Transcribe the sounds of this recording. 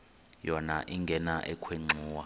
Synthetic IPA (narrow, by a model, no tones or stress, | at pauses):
jɔnaʔiŋɡʱɛnaʔɛkʰweŋ͡ǀʱuːwa